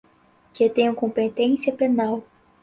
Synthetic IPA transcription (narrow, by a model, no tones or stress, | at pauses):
ket̪ẽj̃ũkõmpet̪ẽsiɐpenaw